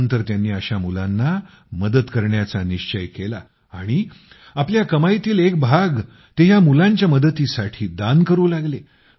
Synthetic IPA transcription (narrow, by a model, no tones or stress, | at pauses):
nt̪əɾt̪janːiːəɕamulanːa | məd̪ət̪kəɾɳjat͡saniɕt͡ɕəjkela̰ː | ɽ̃i | apljakəmajt̪iːlek̚bʱaɡ | t̪eɦjamulãɲt͡ɕjaməd̪ət̪iːsaʈʰiːd̪ankəɾuːlaɡle